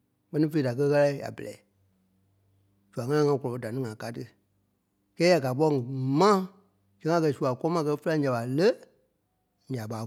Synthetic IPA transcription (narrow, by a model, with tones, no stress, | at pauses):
k͡pɜ˧nĩ˦fe˧˨da˨kə˧˦ɣa˦˧la˧˦i˦ja̰˨bə̰˨lɛ̰˨i˨ | d͡ʒ̥u˨a˨ŋã˦ã˦ŋã˧˦kɔ˨ɔ˨pə˧˦da˨nĩ˦ŋã˨ka˦tɨ˦ | kɛː˦ja˨ɡa˨p̬ɔ˧˦ŋ˨mã˦ | d͡ʒɛ̃˨˦ŋã˦˧kɜ˧˨su˨a˨kɔ˦mã˧˦k̬ɜ˧˦fə˦lã˧˦ɲã˨ɓa˨lə˦ | ɲa˨ɓaː˨˦